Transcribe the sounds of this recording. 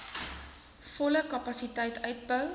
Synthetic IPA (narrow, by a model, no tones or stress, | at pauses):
fɔləkɐpɐsitəjtʰœɥt̚bəw